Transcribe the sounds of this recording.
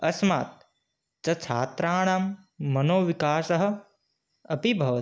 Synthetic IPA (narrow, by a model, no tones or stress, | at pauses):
ɐsmaːt̪̚ | t͡ʃɐt͡ʃʰa̰ːt̪ɾaːɽ̃aːmː | ɐnoːʋikaːsɐɦɐ̆ | ɐpibʱɐʋ